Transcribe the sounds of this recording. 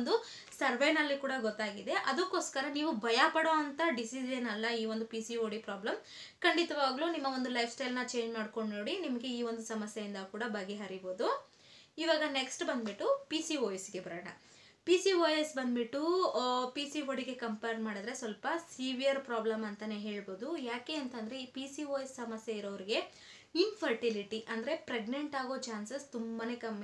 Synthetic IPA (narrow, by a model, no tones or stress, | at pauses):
nd̪u | sɐɾʋejnɐlːikuːɽɐɡɔt̪ːaːɡid̪eʔɐd̪ukːo̞ːskɐɾɐniːʋubʱɐjapɐɽoɐnt̪ɐɖisid͡ʒɐnɐlːɐiːʋo̞nd̪upiːsioːɽipɾaːblɐm | kɐɳɖit̪ɐʋaːɡluːnimːɐʋo̞nd̪ulɐjpsʈɐjlnɐt͡ʃe̞ːɲd͡ʒmaːɖko̞ɳɖnoːɽinimɐɡe̞iːʋo̞nd̪usɐmɐsjɐjind̪ɐkuːɽɐbɐɡeɦɐɾibo̞ːd̪u | iːʋaːɡɐneksʈbɐnd̪biʈːupisiʋoːjɐsiɡe̞bɐɾɐːɳɐ̰ | pisiʋoːjɐsbɐnd̪biʈːupisiɦoɽiɡe̞kɐmpɐjɾɖmaːɽid̪ɾe̞sʋɐlpɐsiʋijɐɾpɾaːblɐmɐnt̪ɐneɦe̞ːɭbo̞ːd̪ujaːke̞ːɐnt̪ɐnd̪ɐɾe̞ipiːsiʋoːjessɐmɐsjeiɾoʋɐɾiɡe̞ | inpʰɐɾʈiliʈiʔɐnd̪ɐɾe̞pɾeɡneɳʈaːɡo̞ːt͡ʃaːnsɐst̪umbɐne̞kɐm